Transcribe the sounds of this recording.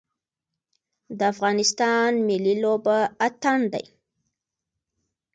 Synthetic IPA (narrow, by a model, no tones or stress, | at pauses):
d̪əafɣɑnɪst̪ɑnmɪlilobaat̪and̪a̰j